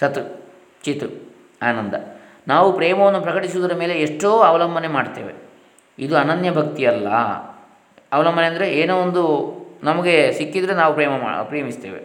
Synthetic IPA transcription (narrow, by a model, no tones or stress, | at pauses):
sɐt̪u | t͡ʃit̪ɾu | aːnɐnd̪ɐ̰ | naːʋupɾɛːmɐʋɐnːupɾɐkɐʈisud̪ɐɾɐme̞ːle̞eʂʈoːɐʋɐlɐmbʱɐnemaːɖt̪ḛːʋe̞̰ | id̪uɐnɐnjɐbʱɐkt̪iɐlːɐ̰ | ɐʋɐlɐmbʱɐneɐnd̪ɾe̞eːnoːond̪unɐmɐɡe̞sikːid̪ɐɾenaːʋupɾɛːmɐm̰ːpɾeːjɐmist̪eːʋe̞̰